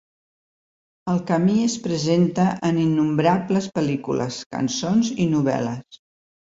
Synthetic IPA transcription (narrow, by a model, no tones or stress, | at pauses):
əlˠkəmiəspɾəzent̪əʔəninːumbɾabləspəlikulə̰skə̰nsonzinuβ̞ɛ̰ləs